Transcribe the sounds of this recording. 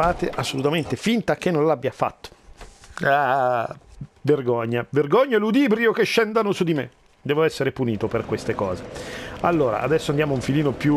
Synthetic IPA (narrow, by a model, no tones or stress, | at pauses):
aːt̪eʔasːolut̪ament̪efint̪ak̟ːenːõnlabːjafa̰t̪ːo̥ | a | verɡoɲːaverɡɔɲːaɛlud̪iːbɾjok̟eʃːɛnd̪anosud̪imḛ | d̪ɛːvoɛsːeɾepuniːt̪operkwest̪ekɔːzealːoːɾa̰ʔa̰d̪ɛsːoand̪jaːmouɱfiliːnopju